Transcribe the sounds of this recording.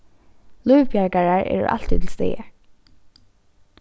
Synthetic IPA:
lujvpjaɹkaɹaɹʔɛ̰ːɹʊ̰ʔa̰l̥t̪it̪ʰɪlst̪ḛːə

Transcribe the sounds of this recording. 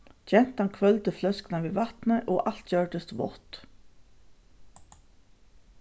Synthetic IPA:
t͡ʃɛn̥t̪ankʰvœlt̪ɪflœsknaʋiːvat̪nəʔɔʔal̥t̪d͡ʒœɹʈ̪ɪst̪vɔ̰ht̪

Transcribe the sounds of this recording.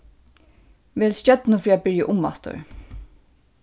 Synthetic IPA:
ʋɛːlst͡ʃœt̪nʊfɹiːabɪɹjaʔʊmːa̰t̪ʊ̰ɹ

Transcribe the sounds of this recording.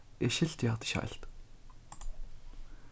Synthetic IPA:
eʃɪ̆ɮt̪jaːt̪̆ʃă̰ːɬt̪

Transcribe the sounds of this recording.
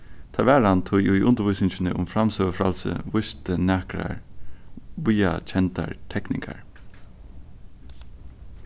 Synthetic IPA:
t̪ʰaʋæːɾant̪ʰʊjuiʔʊnt̪əɾʋʊjsɪɲt͡ʃɪnəʔʊmfɾamsœːʋəfɾalsə̰ʋʊst̪ənæːkɾa̰ɹ | ʋuja̰t͡ʃʰɛnt̪a̰ɹt̪ʰɛknɪ̰ŋka̰ɹ

